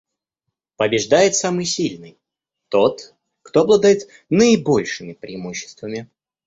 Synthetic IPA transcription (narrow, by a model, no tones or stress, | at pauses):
pəbʲɪʐd̪ajɪt̪samɨjsʲilʲnɨj | t̪o̞t̪ | kt̪oɐblˠad̪ajɪt̪ | nəɪbo̞lʲʂɨmʲɪpɾʲɪ̰ːmuɕːɪ̥st̪vəmʲɪ